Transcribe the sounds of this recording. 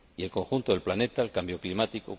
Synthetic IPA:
ie̞lko̞ŋxunt̪oðelplane̞t̪alkambjo̞klimat̪iko̰

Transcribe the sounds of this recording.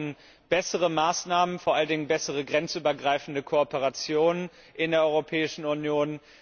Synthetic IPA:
n | b̥ɛsəʁ̞əmaːsnaːmənfoɐʔaləndɪŋənbɛsəʁəɡʁɛnt͡sʔyːbɐɡʁaɪfn̩dəkʰoɔpəʁat͡sjoːnən | ʔɪndeːɐʔɔʏʁopʰɛːɪʃn̩unjoːn

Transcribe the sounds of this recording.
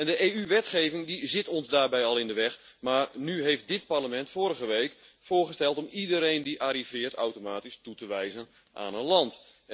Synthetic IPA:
ɛndəʔeːyʋɛtχeːvɪŋdizɪtɔnzdaːrbɛjɑlˠɪndəʋɛxmaːrnyɦejft̚dɪt̚parləmɛntfoːɾəɣəʋejkfʊːrχəstɛlˠtɔmidəɾejndiʔaɾiv̥ɪːrtawtomaːtistutəʋɛjzən | ʔa̰ːnənlɑnt

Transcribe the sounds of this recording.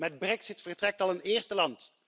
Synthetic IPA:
mɛd̚brɛksɪtfərtrɛk̚tɑlˠəneːɹstəlɑnt

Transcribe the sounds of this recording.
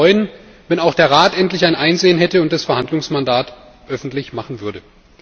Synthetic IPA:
ɔʏən | vɛnaʊxd̥eːɐʁ̞aːtʔɛntlɪçaɪnʔaɪnzeːənɦɛtəʊntd̥asfɛɐhandlʊŋsmandaːt | ʔœfn̩tlɪçmaχn̩vʏɐdə

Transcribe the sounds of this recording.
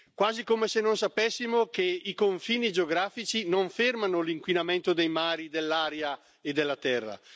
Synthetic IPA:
kwaːzikomesenːons̬apesːimokeikoɱfiːnid͡ʒeoɡɾaːfit͡ʃinoɱfermanoliŋkwinamɛnt̪od̪ejmaːɾid̪elːaːɾja | ed̪elːat̪ɛrːa̰

